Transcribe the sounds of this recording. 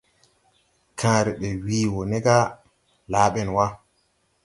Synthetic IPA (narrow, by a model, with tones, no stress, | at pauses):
kʰãː˨˦ɾi˨ɓɛ˨wiː˦wo˨nɛ˦ɡa˦ | laː˦ɓɛ˦˨nwa˦